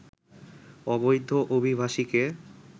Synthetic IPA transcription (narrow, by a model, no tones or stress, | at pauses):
ɔbojd̪ʱːoʔobʱibʱaʃike